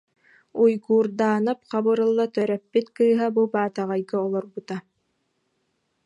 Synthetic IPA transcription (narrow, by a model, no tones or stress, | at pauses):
ujɡuːɾd̪aːnap̚qɑbɯɾɯlˠːat̪œɾɛpːit̪kɯːɦabubaːt̪aʁajɡaɔlˠɔɾbut̪a